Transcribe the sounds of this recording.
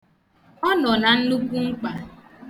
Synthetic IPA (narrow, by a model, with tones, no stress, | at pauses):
ɔ˦nɔ˨na˨n̩˦lu˦kʷu˦ŋ͡m̩˦k͡pa˨